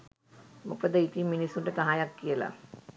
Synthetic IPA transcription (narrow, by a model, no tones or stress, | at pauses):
mokəd̪əit̪iminisːuɳɖət̪aɦajakːijəla̰